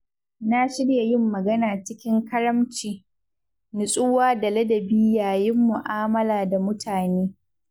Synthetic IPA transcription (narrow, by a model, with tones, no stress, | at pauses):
na˦ʃɪ˦ɽja˨jɪ˦mːɐ˨ɡɐ˦naː˨t͡ʃɪ˦kʲɪ˦ŋkɐ˦ɾɐ˦mt͡ʃiː˨ | nɪ˨sʼʊ˦waː˦dɐ˨lɐ˦dɐ˨biː˦jaː˨jɪ˦mːʊ˨ʔaː˦mɐ˦laː˨da˨mʊ˦tʰaː˨neː˦